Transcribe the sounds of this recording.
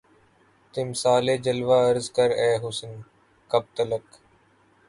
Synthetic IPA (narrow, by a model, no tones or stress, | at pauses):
t̪ɪmsaːleːd͡ʒəlʋaːəɾzkəɾɛːɦʊsən | kəb̚t̪ələk